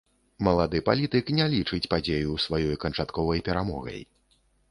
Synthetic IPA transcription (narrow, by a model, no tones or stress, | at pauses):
mɐlˠad̪ɨpalʲit̪ɨknʲɛlʲit͡ʂɨt͡sʲpad͡zʲejusvajɔjkɐnt͡ʂat̪kɔvɐjpʲɛɾamɔɣɐ̰j